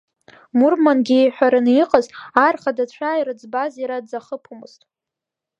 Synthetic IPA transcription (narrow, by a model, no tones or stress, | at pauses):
murmanɡʲiħʷᶣaɾɨniqʼəzarχadat͡ɕʷʰajɾɨd͡zbaziɾadd͡zaχəpʰumɨztʼ